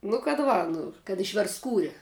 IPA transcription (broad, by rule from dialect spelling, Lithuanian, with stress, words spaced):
nʊ kɐt ˈʋɐ ˈnʊ kɐt ɪʃʲʋʲɛrstˈskuːrʲɪ